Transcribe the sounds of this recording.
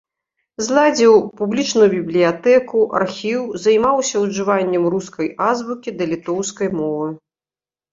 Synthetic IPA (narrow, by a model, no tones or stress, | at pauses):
zlˠad͡zʲiwpublʲit͡ʂnujubʲiblʲijat̪ɛkuʔa̰rxʲiwzɐjmawsʲɐwʐɨvanʲːɐmruskɐjʔazbukʲid̪ɐlʲit̪ɔwskɐjmɔvɨ